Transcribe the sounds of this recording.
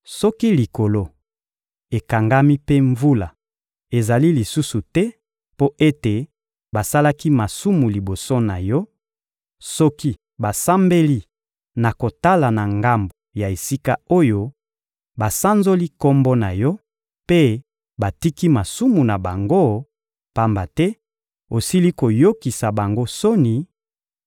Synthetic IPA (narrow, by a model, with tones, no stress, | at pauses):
sɔ˦ki˦li˨ko˨lo˦ | e˨ka˨ŋɡa˦mi˦pe˦ɱvu˦la˨ | e˨za˨li˦li˨su˦su˨tɛ˦ | po˦ʔe˦te˨ | ba˨sa˦la˦ki˦ma˨su˦mu˨li˨bo˨so˦na˨jɔ˦ | sɔ˦ki˦ | ba˨sa˦mbe˦li˦ | na˨ko˨ta˦la˨na˨ŋɡa˨mbo˨ja˨e˨si˦ka˦o˦jo˦ | ba˨sa˦nzo˦li˦kɔ˦mbo˦na˨jɔ˦ | pe˦ | ba˨ti˦ki˦ma˨su˦mu˨na˨ba˨ŋɡo˦ | pa˦mba˨tɛ˦ | o˨si˦li˦ko˨jo˦ki˨sa˨ba˨ŋɡo˦so˦ni˨